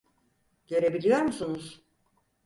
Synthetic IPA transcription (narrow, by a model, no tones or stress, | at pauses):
ɟ̥eɾe̞bilʲijoɾmusunuz̥